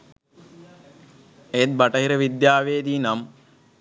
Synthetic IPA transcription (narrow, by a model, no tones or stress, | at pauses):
et̪̚bɐʈɐɦiɾəʋid̪jaːʋeːd̪iːnam